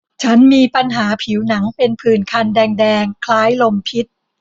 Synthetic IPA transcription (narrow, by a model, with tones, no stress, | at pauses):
t͡ɕʰa˦˥nmiː˧pa˧nɦaː˩˦pʰiː˩˦wna˩˦ŋpe˧npʰɯː˨˩nkʰa˧ndɛː˧ŋdɛː˧ŋkʰlaː˦˥jlo˧mpʰi˦˥t̪̚